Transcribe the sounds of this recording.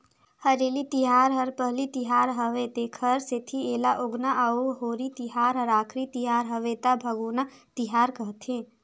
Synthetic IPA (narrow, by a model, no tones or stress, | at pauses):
həɾeːlit̪iɦaːɾɦəɾpəɦlit̪iɦaːɾɦəʋet̪ekʰəɾset̪ʰieːlaʔoɡnaʔəuɦoːɾit̪iɦaːɾɦəɾaːkʰɾit̪iɦaːɾɦəʋet̪abʱəɡoːna | t̪ɪɦaːɾkəɦt̪ʰẽː